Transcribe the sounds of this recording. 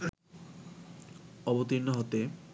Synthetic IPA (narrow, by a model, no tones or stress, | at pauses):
ɔbot̪iɾnoɦot̪e